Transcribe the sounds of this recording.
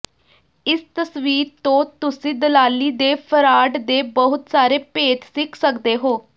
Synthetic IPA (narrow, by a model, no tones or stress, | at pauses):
ɪst̪əsʋiːɾt̪õːt̪ʊsĩːd̪əlaːliːd̪eːpʰəɾaːɖd̪eːbəɦʊt̪saːɾeːpeːt̪sɪkʰsəkd̪eːɦoː